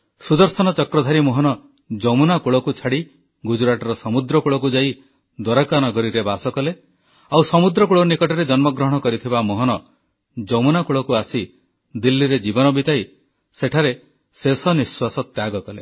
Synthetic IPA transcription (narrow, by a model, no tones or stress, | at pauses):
sud̪ɔɾsɔnɔt͡ʃɔkɾɔd̪ʱaɾimoɦɔnɔ | d͡ʒɔmunakuɭɔkut͡ʃʰaɽi | ɡud͡ʒuɾaʈɔɾɔsɔmud̪ɾɔkuɭɔk̬ud͡ʒaj | d̪wɔɾɔkanɔɡɔɾiɾebasɔkɔle | awsɔmud̪ɾɔkuɭɔnikɔʈɔɾed͡ʒɔnmɔɡɾɔɦɔɽ̃ɔkɔɾit̪ʰibamoɦɔnɔ | d͡ʒɔmunakuɭɔkuasi | d̪ilːiɾed͡ʒibɔnɔbit̪ai | seʈʰaɾe | sesɔniswasɔt̪jaɡɔkɔlḛ